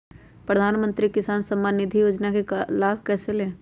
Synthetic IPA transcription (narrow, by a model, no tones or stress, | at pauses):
pɾəd̪ʱaːnmə̃nt̪ɾikɪsaːnsə̃mːaːnːɪd̪ʱijoːd͡ʒnakelaːbkɛːseleː